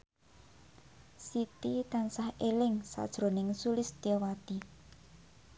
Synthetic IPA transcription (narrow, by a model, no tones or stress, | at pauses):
sit̪it̪ansahelɪŋsa̰d̥ʒ̥ɾonɪŋsulɪst̪iɔwat̪i